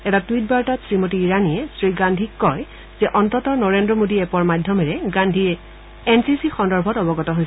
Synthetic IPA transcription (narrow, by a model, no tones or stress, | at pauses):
ɛtatwit̚baɹtatsɹimotiːɹanijɛsɹiɡandʱikːɔɹ | zɛʔɔntɔtɔnɔɹendɹɔmodiɛpɔɹmadʱjɔmɛɹɛɡandʱi | ɛnsisixɔndɔɹbʱɔtɔbɔɡɔtɔɦojs